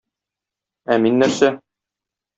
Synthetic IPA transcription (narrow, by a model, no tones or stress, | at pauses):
æminːæɾsæ